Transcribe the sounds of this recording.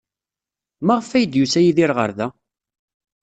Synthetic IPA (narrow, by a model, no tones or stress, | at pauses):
maʁəfæjəd̪jusæjiðiɾʁə̰ɾðæ